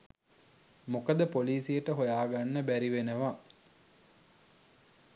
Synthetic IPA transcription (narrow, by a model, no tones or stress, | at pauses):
mokəd̪əpoliːsijəʈəɦojaːɡanːəbæɾiʋenəʋa